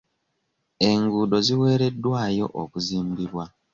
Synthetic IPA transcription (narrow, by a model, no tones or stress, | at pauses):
e̞ŋɡuːdo̞ziwe̞ːɾe̞dːwaːjo̞̰ʔokuziːmbiβwa